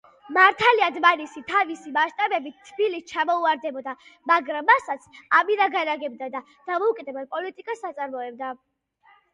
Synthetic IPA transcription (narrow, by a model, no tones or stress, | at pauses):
maɾt̪ʰaliad̪manisit̪ʰavisimaʃt̪ʼabɛbit̪ʰːbilist͡ʃʰamɔuaɾd̪ɛbɔd̪amaɡɾamːasat̪sʰamiɾaɡanaɡɛb̚d̪ad̪a | d̪̥amɔukʼɛd̪ɛbad̪̚pʼɔlit̪ʼikʼasat̪sʼaɾmɔɛb̚d̪a